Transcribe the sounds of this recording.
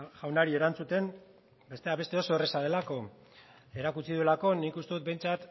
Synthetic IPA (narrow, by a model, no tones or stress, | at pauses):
ʝawnaɾie̞ɾant͡sut̪e̞n | be̞st̪e̞aβe̞st̪e̞o̞so̞ere̞sað̞e̞lako̞ | e̞ɾakut͡siðue̞lako̞nikust̪e̞ðut̪̚be̞jnt͡sat̪